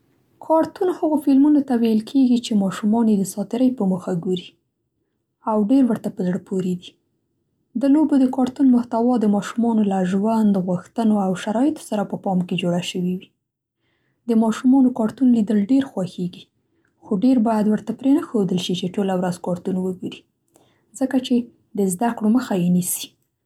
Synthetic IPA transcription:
kʰɑɾt̪unhəɣofɪlmunot̪awejəlkʰeɡit͡ʃemɑʃumɑnjed̪əsɑt̪ɪɾəjpəməxaɡoɾi | awɖeɾwəɾt̪apəzɽəpʰoɾed̪i | d̪əlobod̪əkɑɾt̪unmʊht̪awɑd̪əmɑʃumɑnolaʒwand̪ɣwuxt̪ənoawʃaɾɑjɪt̪o̥saɾapəpɑmked͡ʒoɽaʃəwiwi | d̪əmɑʃumɑnokɑɾt̪unlid̪əlɖeɾxwɑxeɡi | xoɖeɾbɑjad̪wəɾt̪apɾenəxod̪əlʃit͡ʃeʈolawɾazkɑɾt̪unwəɡoɾi | zəkat͡ʃe | d̪əzd̪akɽoməxajenisi̥

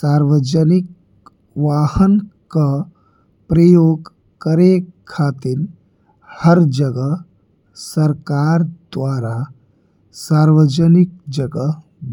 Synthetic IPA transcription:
saːɾʋəd͡ʒənɪk̚ | ʋaːhənka | pɾəjoːɡ | kəɾekʰaːt̪ɪɾ | həɾd͡ʒəɡəɦ | səɾkaːɾd̪ʋaːɾa | saːɾʋəd͡ʒənɪk̚d͡ʒəɡə | b

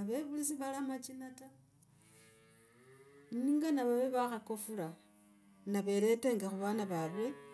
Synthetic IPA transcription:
aβeβulisiβalamat͡ʃinata | niːŋɡanaβaweβaxakofula | naβe̞le̞teŋɡexuβanaβarwe

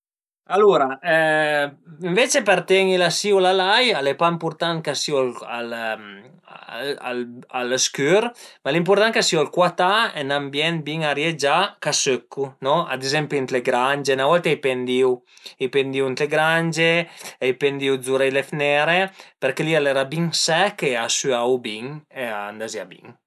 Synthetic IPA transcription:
aluɾaɛ | iɱvet͡ʃepert̪ɛŋilasiwlalajalepaimpurt̪ankasiwala̰l | a̰la̰lskyɾmalimpurt̪ankasiwalkwat̪aɛnambjɛnbiŋaɾjed͡ʒakasøkʰːunɔa̰d̪ezɛmpint̪leɡɾand͡ʒenavɔlt̪eajpend̪iwijpend̪iwint̪leɡɾand͡ʒeajpend̪iwzuɾɛjlefnɛɾepeɾkelialɛɾabiŋsɛkeasyawbiŋeand̪azjabḭŋ

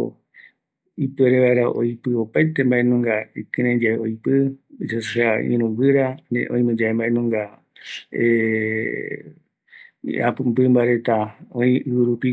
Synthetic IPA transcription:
ipɨeɾeβaeɾaʔo̰jpɨopajt̪embaʔenũŋɡaikɨ̃ɾẽɲd͡ʒaeojpɨd͡ʒasʃaḭ̃ɾ̃ũbɨɾanḛʔõĩmẽd͡ʒaembaʔenũŋɡa | e | a̰pɨmbɨmbaɾe̞t̪aõĩɨwɨɾupi

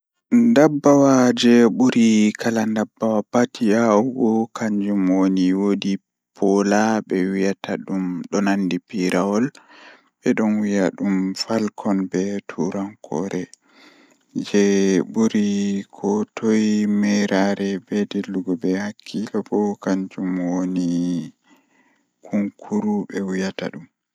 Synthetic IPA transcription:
ndabːawad͡ʒɛɓuɾikʰalandabːawapatiaɡɔkaɲd͡ʒumwoniwodi | pʰɔlabɛwijatʰaɗumɗɔnandipiɾawɔl | bɛɗɔnwijaɗumfalkʰɔnbɛtʰuɾaŋkʰɔ̰ɾɛ | d͡ʒɛbuɾikʰɔtʰɔjmɛjɾaɾɛbɛdelːuɡɔbɛhakʰːilɔbɔkaɲd͡ʒumwoni | kʰuŋkʰuɾubɛwijata̰ɗum

